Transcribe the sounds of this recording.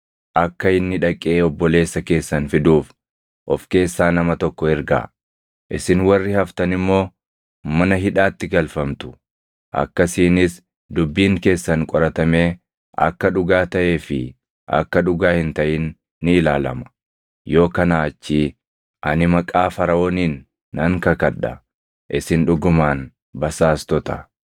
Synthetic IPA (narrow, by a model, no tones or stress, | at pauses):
ʔɐkːɐɪnːɪᶑɐkʼːeːɔbːɔle̞ːsːɐke̞ːsːɐnfɪd̪uːf | ʔɔfke̞ːsːaːnɐmɐt̪ɔkːɔɛɾɡa̰ | ʔɪsɪnwɐrːɪhɐft̪ɐnɪmːo̞ː | mɐnɐɦɪᶑaːt̪ːɪɡɐlfɐmt̪ʊ̥ | ʔɐ̰kːɐsiːnɪs | d̪ʊbːiːŋke̞ːsːɐnkʼɔɾɐt̪ɐme̞ː | ʔɐ̰kːɐᶑʊɡaːt̪ɐʔe̞ːfɪ | ʔɐ̰kːɐᶑʊɡaːhɪnt̪ɐʔɪnː | ɪːlaːlɐ̰mɐ̥ | jo̞ːkɐnaːt͡ʃːi | ʔɐnɪmɐkʼaːfɐɾɐoːniːnː | ɐŋkɐkɐᶑɐ̰ | ʔɪsɪnᶑʊɡʊmaːn | bɐsaːst̪ɔt̪ɐ